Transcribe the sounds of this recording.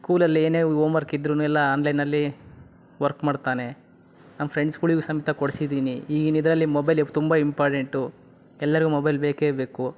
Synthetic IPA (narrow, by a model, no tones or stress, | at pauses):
skuːlɐlːieːneːoːmʋɐɾkid̪ɾuːnuɛlːɐaːnlɐjnɐlːi | ʋɐɾkmaːɖt̪aːne̞ | namɐpʰɾeɳɖskuːɭiːɡusɐmit̪ʰɐkoɽsid̪iːniiːɡinid̪ɾɐlːimɔbɐjlt̪umbɐimpaːɾʈe̞ɳʈu | ɛlːɐɾiɡumɔbɐjlbeːkeːbe̞ːku